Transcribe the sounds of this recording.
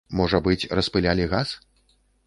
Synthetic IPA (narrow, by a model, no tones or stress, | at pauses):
mɔʐɐbɨt͡sʲrɐspɨlʲalʲiɣas